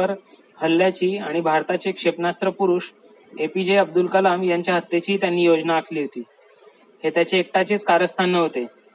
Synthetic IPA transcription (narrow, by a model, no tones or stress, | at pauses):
əɾ | həlːjat͡ɕiːaɽ̃ibʱaɾt̪at͡ɕekʂepnast̪ɾəpuɾuːʂ | epid͡ʑeəb̚d̪ulkəlamjaɲt͡ɕjaɦət̪ːjet͡ɕiːt̪janːiːjod͡znaːkʰliːɦot̪iː | het̪jat͡ɕeːk̚ʈat͡ɕiːt͡skaɾəst̪ʰanːəɦot̪e